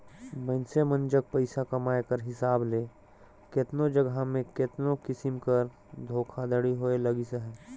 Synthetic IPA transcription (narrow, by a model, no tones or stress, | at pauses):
mənsemə̃nd͡ʒək̚pɐɪsakɐmaːekəɾɦɪsaːbleː | kɪt̪nod͡ʒəɡʱamẽkɪt̪nokɪsɪmkəɾ | d̪ʱoːkʰad̪əɽiɦoːelɐɡiseɦɛː